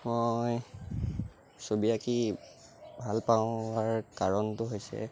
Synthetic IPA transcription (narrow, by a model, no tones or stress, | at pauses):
moj | sobiaki | bʱalpaʊaɹkaɹɔntʊɦojsɛ̰